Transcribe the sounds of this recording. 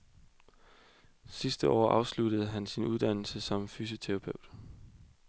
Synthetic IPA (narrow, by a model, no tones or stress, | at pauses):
sisd̥əʔɒ̰ːʔɑ̈ʊslud̥əð̩ˠɦænsinʔuðˠd̥æn̰l̩səsɒ̽mfyːs̬ot͡sʰeʁɑ̈pʰøʊ̰d̥